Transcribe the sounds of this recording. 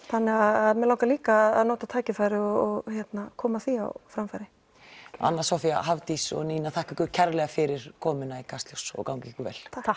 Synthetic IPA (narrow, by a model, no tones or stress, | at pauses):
θanːɛɣaðaðmɛlawkaliːkaːðaðnoːwt̪at̪ʰaːjcɪfajɾɪɔɔɣçjɛt̪nakʰɔːmaθia̰wfɾamfajɾɪ | a̰nːḁsɔfia̰ɦavt̪isɔ̰ɣniːnaθʰaːhkʏkʏcʰɛɾlɛɣafɪɾɪɾ̥kʰɔːmɪnaikʰast̪lɔwsɔ̰ɣkawŋcikʏvɛ̰lʰ